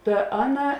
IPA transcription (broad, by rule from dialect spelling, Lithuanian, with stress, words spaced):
ˈtɐ ˈɑːˌnɐ